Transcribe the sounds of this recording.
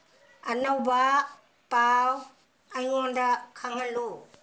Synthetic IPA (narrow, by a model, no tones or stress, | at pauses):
ɐnawba | paw | ajŋɔndakʰaŋɐlu